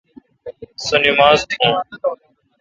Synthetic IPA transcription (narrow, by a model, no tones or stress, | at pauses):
sənimaːzt̪ʰũː